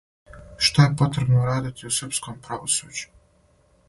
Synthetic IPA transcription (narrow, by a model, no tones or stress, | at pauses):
ʃt̪ojepo̞t̪ɾebnoɾaːd̪it̪ʰiusrpskompɾaʋosuːd͡ʒu̥